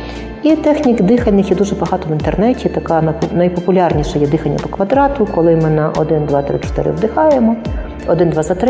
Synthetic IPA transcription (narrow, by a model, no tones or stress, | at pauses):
it̪ɛxnʲikd̪ɪxɐnːɪxjɛd̪uʐɛbɐɦɑt̪ɔʋɪnt̪ernɛtʲit̪ɐkɑnnɐjpɔpʊlʲɑrnʲiʃɐjɛd̪ɪxɐnʲːɐ̰p̪ɔkʋɐd̪ɾɑt̪ʊkɔlˠɪmɪnɐʔɔd̪ɪnd̪ʋɑt̪ɾɪ̰t͡ʃɔ̥t̪ɪ̰ɾɪ̰ʋd̪ɪxɑjemɔ | ɔd̪ɪnd̪ʋɑzɐt̪ɾ